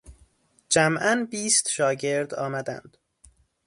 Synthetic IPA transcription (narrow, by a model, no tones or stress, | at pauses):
d͡ʒæmʔænbiːst̪ʃɒːɟe̞ɾd̪ɒ̰ːmæd̪æ̰nd̪̥